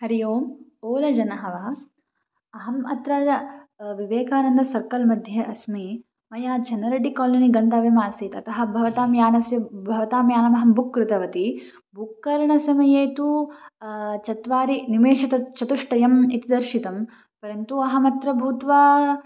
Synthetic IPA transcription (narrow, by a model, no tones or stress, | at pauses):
hɐɾijoːmoːlɐd͡ʒɐnɐɦɐʋa | ɐɦɐmɐ̰t̪ɾaː | ʋiʋeːkaːnɐnd̪ɐsɐɾkɐlmɐd̪ʱjɐʔɐsmi | mɐjaːt͡ʃɐnɐɾɐɖikaːloniɡɐnd̪ɐʋemaːsiːt̪ɐt̪ɐɦɐ̆bʱɐʋɐt̪aːmjaːnɐsjɐbʱɐʋɐt̪aːmjaːnɐmɐɦɐmbukːɾut̪ɐʋɐt̪i | bʱukːɐɾɐɳɐsɐmɐjeːt̪u | t͡ʃɐt̪ʋaːɾinimeːʃɐt̪ɐt͡ʃɐt̪uʂʈɐjɐmit̪id̪ɐɾʃit̪ɐm | pɐɾɐnt̪uɐɦɐmɐt̪ɾɐbʱuːt̪ʋaː